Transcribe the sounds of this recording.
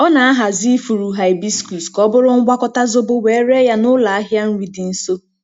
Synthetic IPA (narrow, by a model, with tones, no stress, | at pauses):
ɔ˦na˨a˦ɦa˨zi˦fu˨ɾu˨ɦa˨ɪ˨bi˦sku˨skɔ˦bʊ˦ɾʊ˦ŋ̩˦ɡʷa˦kɔ˦ta˦zʊ˦bʊ˦we˨˦ɾe˦ja˦nʊ˦la˨a˦ɦja˦n̩˦wi˨dɪ˨n̩˦so˦